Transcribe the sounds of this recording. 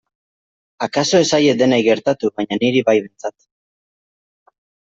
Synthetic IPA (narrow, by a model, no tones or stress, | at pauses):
akaso̞e̞saje̞d̪e̞najɣe̞ɾt̪at̪uβaɲaniɾiβajðe̞nt͡sat̪